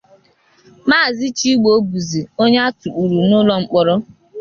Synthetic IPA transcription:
maː˦˨zi˦t͡ʃi˦ɡ͡bo˦bu˨zi˨o˦ɲe˦a˦tu˨k͡pu˨ɾu˨nʊ˦lɔ˨ŋ͡m̩˨k͡pɔ˨ɾɔ˦

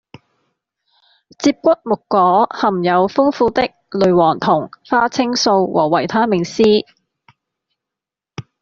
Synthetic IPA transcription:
t͡siː˧p̚kʷɐ˥t̚mʊ˨kːɔː˨˧˥hɐ˨˩mjɐ˨˧wfʊ˥ŋfuː˧t̪ɪ˥k̚lɵ˨˧ɥwɔː˨˩ŋt̪ʰʊ˨˩ŋfaː˥t͡sʰɪ˥ŋso˧wwʔɔ̰ː˨˩wɐ˨˩jt̪ʰaː˥mɪ˨˩ŋsiː˥

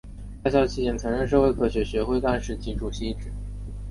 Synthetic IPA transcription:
ta˥˧ɕjɑ˥ʊt͡ɕʰi˥˩t͡ɕjɛ˥˩nt͡sʰɤ˧˥ŋɻə˥˧nʂ̬ɤ˥˧xwe˥˧ɪkʰɤ˥˩ɕɥɛ˧˥ɕɥɛ˧˥xwe˥˧ɪka˥˧nʂɻ̩˥˩t͡ɕi˧˥ʈ͡ʂu˨˩ɕi˥˧˩ʈ͡ʂɻ̩˨˩˦

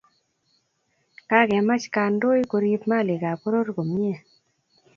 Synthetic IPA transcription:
ka˦ɡɛ˨ma˦t͡ʃka˧ndo˦jko˧ɾi˦pma˦˨lɪ˨ɡa˨po˦ɾo˦ɾɡo˨m˦e˦˨

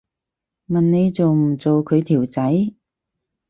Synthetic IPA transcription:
mɐ˨nne˨˧jt͡so˨wm̩˨˩t͡so˨wkʰɵ˨˧ɥt̪ʰiː˨˩wt͡sɐ˨˥j

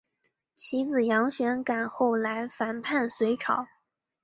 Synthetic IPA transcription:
t͡ɕʰi˧˥d͡zɹ̩˨˩jɑ˧˥ŋɕɥɛ˧˥nka˨˩nxo˥˩ʊla˧˥ɪfa˨˩npʰa˥˩nswe˧˥ɪʈ͡ʂʰɑ˨˩˦ʊ

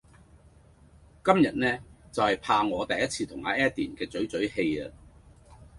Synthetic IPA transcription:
kɐ˥mjɐ˨t̚nɛː˥t͡sɐ˨whɐ˨˩jpʰaː˧ŋɔː˨˧t̪ɐ˨jːɐ˥t̚t͡sʰiː˧t̪ʰʊ˨˩ŋhaː˨˧˥ʔɛː˥t̚t̪iː˨˩nkɛː˧t͡sɵ˨˥ɥt͡sɵ˨˥ɥhe˧jɐ˧

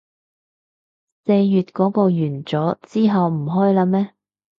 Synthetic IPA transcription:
se˧jjyː˨t̚kɔː˨˥kɔː˧jyː˨˩nt͡sɔː˨˥t͡siː˥ɦɐ˨wm̩˨˩ɦɔː˥jlaː˧mɛː˥

